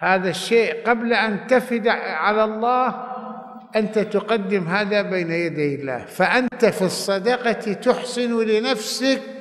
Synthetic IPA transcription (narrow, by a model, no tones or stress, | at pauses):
haːðaʃːeːʔqablaʔant̪afɪd̪ʕalalˤːɑːh | ʔant̪at̪ʊqad̪ːɪmɦaːðabeːnajad̪ajɪlːa̰ːhfaʔant̪afisˤːɑd̪ɑqɑt̪it̪ʊħsˤɨnwlɪnafsak̚